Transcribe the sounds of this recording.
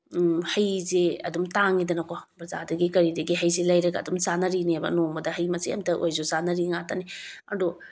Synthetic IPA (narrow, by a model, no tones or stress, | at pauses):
hɐjzeɐ̰dumtaŋidɐnɐkobɾɐzadɐɡikɐɾidɐɡiɦɐjzelɐjɾɐɡɐːdumsanɐɾinibɐ̰noŋbɐdɐɦɐjmɐsiɐ̰mtɐʔojzozanɐɾiŋatɐniɐ̰do